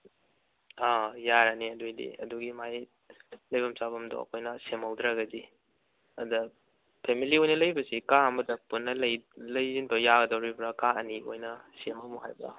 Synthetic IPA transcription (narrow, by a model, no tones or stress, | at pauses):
ajaɾaniɐdojdḭɐ̰duɡimaj | lɐjbɐmsaβɐmdo̰ɐ̰kʰojnɐsemhɐwdɾaɡɐdi | ɐdɐ | pʰemiliojnɐlɐjbɐsikaɐmɐdɐpunːɐlɐjlɐjzinbɐjaɡɐdɐwɾibɾɐkaɐnio̰jnɐsemɐmuɦajba̰